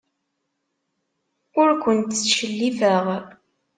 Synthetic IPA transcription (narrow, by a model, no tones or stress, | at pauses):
ʊɾkʷənt̪ʃəlːivəʁ